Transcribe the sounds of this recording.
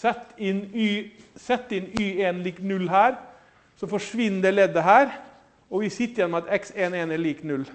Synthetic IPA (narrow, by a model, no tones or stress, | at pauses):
sɛt̪ːɪnyːsɛt̪ːɪnyːeːnliːknʉlːhæːɾ | sɔfɔʂʋɪnːəd̪ɛlɛd̪əɦæːɾ | ɔʋɪsɪt̪ːəɾjɛnːɔmɑt̪ɛkseːneːnɛliːknʉl